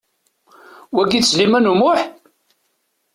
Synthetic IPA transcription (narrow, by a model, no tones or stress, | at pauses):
wæɡislimænumʊħ